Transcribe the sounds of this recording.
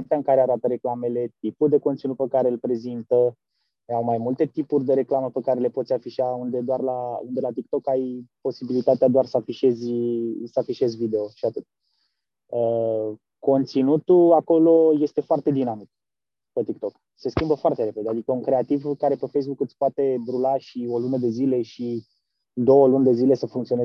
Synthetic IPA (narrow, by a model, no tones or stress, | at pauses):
apt̪eaɨŋkaɾeaɾat̪əɾe̞klame̞le̞t̪ipuld̪e̞ko̞nt̪sinut̪̚pəkaɾe̞ɨlpɾe̞zint̪ə | awmajmult̪e̞t̪ipurʲd̪eɾe̞klaməpəkaɾe̞le̞pot̪sʲafiʃaund̪e̞d̪oarlaṵnd̪e̞lat̪ik̚t̪o̞kajpo̞sibilit̪at̪ead̪oarsəafiʃe̞zʲsəafiʃe̞zʲvid̪e̞o̞ʃiat̪ɨt̪̚ʲ | ə | ko̞nt̪sinut̪uako̞lo̞je̞st̪e̞foart̪e̞d̪inamik̚ | pet̪ik̚t̪o̞k | se̞skʲimbəfoart̪e̞ɾe̞pe̞d̪ead̪ikəuŋkɾe̞at̪ivkaɾe̞pefejs̬bukɨt̪sʲpoat̪e̞bɾulaʃio̞lunəd̪e̞zile̞ʃi | d̪o̞wəlund̪e̞zile̞səfuŋkt̪sione